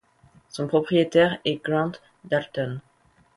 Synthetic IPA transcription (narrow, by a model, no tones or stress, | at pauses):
sɔ̃pχɔpχijet̪ɛʁɛɡʁɑ̃t̪ | d̪alt̪ɔn